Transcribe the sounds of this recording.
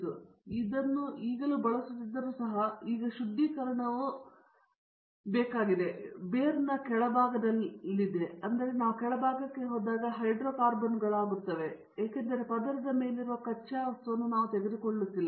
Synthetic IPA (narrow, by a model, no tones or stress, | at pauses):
uid̪ɐnːuʔiːɡɐluːbɐɭɐsut̪ːid̪ːɐɾuːsɐɦɐiːɡɐʃud̪ːikɐɾɐɳɐʋu | bɛːkaːɡid̪e̞beːɾɐnːɐkɛɭɐbʱaːɡɐd̪ɐlːiilːid̪eɐnd̪ɐɾe̞naːʋukɛɭɐbʱaːɡɐkːe̞ɦoːd̪aːɡɐɦɐjɖɾoːkaːɾbɐnɡɐɭaːɡuɾt̪ːɐʋe̞ | jaːkend̪ɐɾe̞pɐd̪ɐɾɐd̪ɐme̞ːliɾuʋɐkɐt͡ʃːaːɐsɐnːunaːʋut̪eɡed̪ukoɭːut̪ːilːɐ